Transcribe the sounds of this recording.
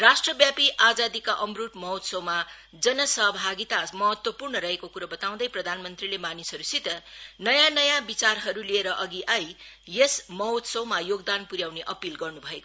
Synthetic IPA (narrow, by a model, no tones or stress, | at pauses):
rasʈrʌbjapiʔad͡zad̪ikaʔʌmruʈmʌɦwt̪sʌwma | d͡zʌnʌsʌɦbʱaɡit̪amʌɦʌt̪wʌpurnʌɾʌɦekokuɾʌbʌt̪aw̃d̪ʌjprʌd̪ʱanmʌnt̪rilemanisʌɾusit̪ʌnʌjanʌjãbit͡sarɦʌɾulieɾʌʔʌɡiʔaj | jesmʌɦwt̪sʌwmajoɡd̪anpuɾjawneʔʌpilɡʌrnubʱʌeko